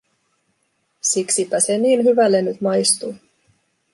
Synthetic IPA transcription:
siksipːæseniːnɦyʋælːenːyt̪mɑjst̪uː

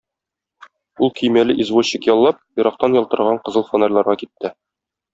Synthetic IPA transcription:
ulˠkɵjmælɘʔizvoɕːikjɒlˠːɑp̚jŏɾɑq̚t̪ɑnjɒlˠt̪ɤ̆ɾʁɑɴqɤ̆zɤlˠfonalʲlˠɑɾʁɑkit̪ːɘ

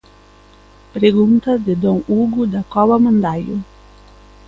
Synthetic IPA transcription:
pʲɾʲɪɡunt̪ɐsd̪ʲɪd̪ɔnuːɡud̪ʲɛkɔʋɐmɐnd̪aːju

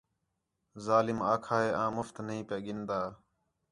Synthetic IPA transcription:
zaːlɪmaːkʰaːɦeːʔãːmʊft̪nəɦĩːpjaːɠɪnd̪aː

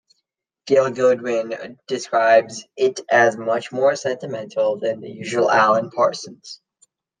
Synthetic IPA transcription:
ɡ̥ɪlˠɡʊd̚wɪ̃nd̥ɨskɹaɪbzɪɾʔɨzmʌt͡ʃmɔɹsɛ̃ntɨmɛ̃ntʰˡl̩ˠðɨ̃nðɨ̰jʉʒəl̩ˠælˠə̃npʰɑ̰ɹsɨ̃n̩z̥

